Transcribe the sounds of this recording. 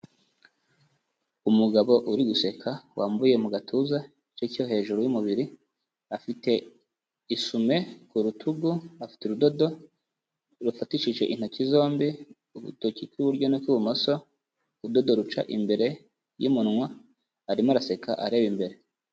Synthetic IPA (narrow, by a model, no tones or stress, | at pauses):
umuɡaβo̞ʔuɾiɡuse̞kʰawʔaːmbuje̞muɡatʰuza | t͡ʃecjoɦe̞ːʒuɾojumuβiɾi | afite̞ | isume̞kuɾutʰuɡuafi̥teɾudo̞do̞ | ɾufatiʃiʒe̞ʔin̥hocizo̞ːmbi | uβṵtocikuβuɾɟo̞nokuβumoso̞ | udo̞do̞ɾut͡ʃa̰ʔimbe̞ɾe̞ | jimunŋwa | aɾimaɾase̞kʰaʔaɾe̞βimbe̞ɾe